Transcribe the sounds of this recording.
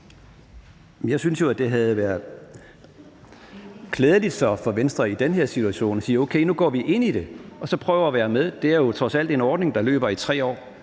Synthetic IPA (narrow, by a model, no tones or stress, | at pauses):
menjɑ̈ɪsynsjo̝æd̥e̝ɦæð̞̩ˠʋæɐðˠ | kʰleːð̞ˠəlid̥sɒ̽fɒ̽ʋensd̥ʁɐid̥enɦeɐ̰sit͡sʰuæɕo̝̰ːnɒsiːɐoʊkʰeɪnuɡ̥ɒ̰ːʋiʔe̝n̰id̥e̝ɒ̽sɒ̽pʰʁœːʊɐːʋæːɐmeðˠd̥e̝æɐjo̝t͡sʰʁɒ̽sæl̰d̥e̝nɒːd̥ne̝ŋd̥ɑ̈lø̰ːb̥ɐit͡sʰʁɛ̰ːɒ̰ː